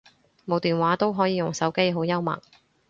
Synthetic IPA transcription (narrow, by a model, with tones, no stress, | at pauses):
mo˨˥wt̪iː˨nwaː˨˥t̪o˥wɦɔː˨˥jiː˨˥jʊ˨˩ŋsɐ˨˥wke˥jɦo˨˥wjɐ˥wmɐ̰˨˩k̚